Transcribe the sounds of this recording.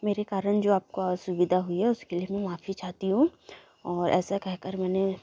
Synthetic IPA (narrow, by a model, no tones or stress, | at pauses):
meːɾekaːɾəɽd͡ʒoːaːp̚koasʊʋɪd̪ʱaɦʊiɦɛʊskeliemɛ̃maːfit͡ʃaːɦt̪iɦũ | ɔːɾɛ̰ːsakɛɦkəɾmɛːne